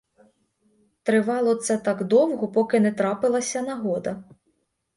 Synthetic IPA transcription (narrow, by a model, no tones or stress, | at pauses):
t̪ɾɪʋɑlˠɔt̪sɛt̪ɑɡd̪ɔwɦɔpɔkɪnɛt̪ɾɑpɪlˠɐsʲɐnɐɦɔd̪ɐ